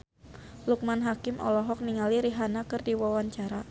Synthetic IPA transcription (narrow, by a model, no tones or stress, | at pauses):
luk̚manɦakɪmʔɔ̰lɔɦɔk̚niŋaliɾiɦanakɨrdiwawaɲt͡ʃaɾa